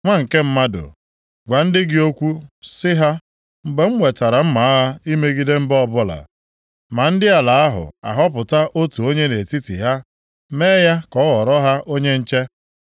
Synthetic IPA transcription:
ŋʷa˦ŋ̩˨ke˦m̩˦ma˦dʊ̰˨ | ɡʷa˨n̩˦dɪ˦ɡɪ˦o˦kʷu˦sɪ˦ɦa˦ | m̩˨ɡ͡be˨ŋ͡m̩˦ŋʷe˨ta˨ɾa˨m̩˦ma˨a˦ɦa˦i˦me˦ɡi˦de˦m̩˦bɔ˦bʊ˦la̰˨ | ma˨n̩˦dɪ˦a˨la˨a˦ɦʊ̰˨a̰˨ɦɔ˦pʊ˨ta˦ʔo˦tu˨o˦ɲe˦ne˨ti˦tḭ˨ɦa˦ | meː˦ja˦kɔ˦wɔ˨ɾɔ˦ɦa˦ʔo˦ɲe˦n̩˦t͡ʃe˦

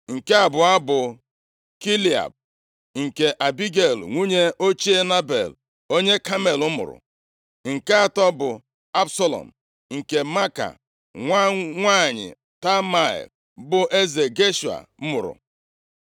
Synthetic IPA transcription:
ŋ̩˨ke˦a˨bʊ˨a˦bʊ˨ | ki˦li˨a̰˨b̚ | ŋ̩˨ke˨ʔa˨bi˦ɡe˨lŋʷu˦ɲe˦ʔo˦t͡ʃi˦e˦na˦bḛ˨l | o˦ɲe˦ka˦me˨lʊ˦mʊ̰˨ɾʊ̰˨ | ŋ̩˨ke˦a˨tɔ˦bʊ˨ | a˦bsɔ˦lɔ̰˨m̩˨ | ŋ̩˨ke˨ma˦ka̰˨ | ŋʷa˦ŋʷa˦˨ɲɪ̰˨ | ta˦ma˦˨ḭ˨ | bʊ˦ʔe˦ze˨ɡe˦ʃu˨a̰˨m̩˦mʊ˨ɾʊ̰˨

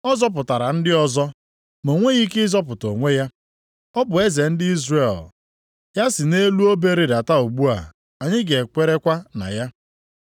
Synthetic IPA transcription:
ɔ˦zɔ˦p̬ʊ˨ta˨ɾa˨n̩˦dɪ˦ɔ˦zɔ˦ | mo˨ŋʷe˦ɣi˦kɪ˦zɔ˦p̬ʊ˨to˨ŋʷe˦ja˦ | ɔ˦bʊ˨e˦ze˨n̩˦dɪ˦i˦zre˦˨l | ja˦sɪ˨ne˦lu˦o˦be˦ɾe˨da˨ta˦u˨ɡ͡bu˦a̰˨ | a˨ɲɪ˦ɡe˨kʷe˦ɾe˦kʷa˦na̰˨ja˦

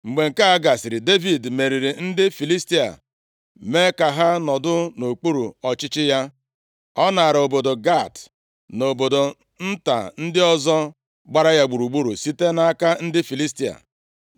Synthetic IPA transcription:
ŋ͡m̩˨ɡ͡be˨ŋ̩˨ka˦a˦ɡa˨si˨ɾɪ˨de˦vi˨dme˨ɾi˨ɾi˨n̩˦dɪ˦fi˨li˦sti˦a̰˨ | me˦ka˨ɦa˦nɔ˨dʊ˦no˨k͡pu˦ɾṵ˨ɔ˨t͡ʃɪ˦t͡ʃɪ˦ja˦ | ɔ˦na˨a˨ɾo˨bo˨do˨ɡa˦˨t | no˨bo˨do˨ | n̩˦ta̰˨n̩˦dɪ˦ɔ˦zɔ˦ | ɡ͡ba˦ɾa˦ja˦ɡ͡bu˨ɾu˨ɡ͡bu˦ɾu˨si˦te˦na˦a˦ka˦n̩˦dɪ˦fi˨li˦sti˦a̰˨

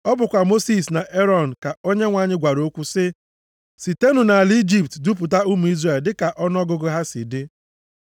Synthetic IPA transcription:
ɔ˦bʊ˨kʷa˨mo˦si˦sna˨ʔe˦ɾɔ˨n̩˨ka˨o˦ɲe˦ŋʷaː˨ɲɪ˦ɡʷa˨ɾo˦kʷu˦sɪ˦ | si˨te˦nu˨na˨li˦d͡ʒi˦p̚tdu˦p̬ʊ˨ta˦u˦mu˨i˦zre˦˨ldɪ˦ka˨ʔɔ˦n˦ɔ˦ɡʊ˦ɡʊ˦ɦa˦sɪ̰˨dɪ˦

